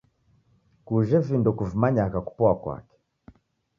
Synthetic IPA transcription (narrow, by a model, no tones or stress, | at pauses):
kuʒɛvindɔkuvimaɲakaku̥pɔakwa̰kɛ̥